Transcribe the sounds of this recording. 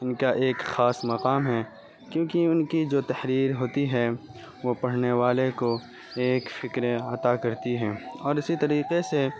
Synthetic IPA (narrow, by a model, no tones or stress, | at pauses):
ɪnkaʔeːkxaːsmɐqaːmɦɛː | kjõːkiʊnkid͡ʒoːt̪ɐhɾiːɾɦoːt̪iɦɛ | ʋopɐɽ̤neʋaːleko | eːkfɪkɾeɐt̪akɐɾt̪iɦɛːɔːɾɪsit̪ɐɾiːqese